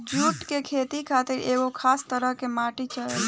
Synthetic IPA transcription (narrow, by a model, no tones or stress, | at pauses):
d͡ʒuːʈkekʰeːt̪ikʰaːt̪ɪɾʔeːɡokʰaːst̪əɾəɦkemaːʈit͡ʃəle